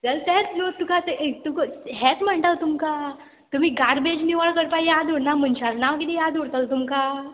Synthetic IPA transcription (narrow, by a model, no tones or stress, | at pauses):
d͡zəlsɛt͡slot̪ukat̪t̪ukɦɛt͡sm̤əɳʈ̪at̪umka | t̪um̤iːɡaɾbed͡ʑniʋaɭkəɾpajjad̪oɽnam̤ənɕalnaʋkit̪ijad̪oɽt̪alt̪umka